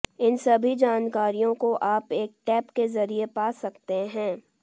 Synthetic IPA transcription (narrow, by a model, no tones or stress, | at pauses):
ɪnsɐbʱid͡ʒaːnkaːɾijõkoʔaːpeːk̚ʈɛːpkezɐɾiepaːsɐkt̪eɦɛ̃ː